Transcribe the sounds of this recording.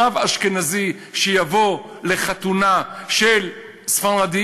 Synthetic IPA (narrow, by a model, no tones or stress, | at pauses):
avaʃkenazi | ʃejavo | leχat̪unaʃel | sfanʁad̪i